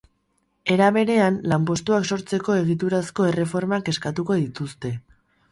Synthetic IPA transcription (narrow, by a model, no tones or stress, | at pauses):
e̞ɾaβe̞ɾe̞anlampo̞st̪uakso̞ɾt͡se̞ko̞e̞ɣ̞it̪̬uɾasko̞e̞re̞fo̞ɾmake̞skat̪uko̞ðit̪ust̪e̞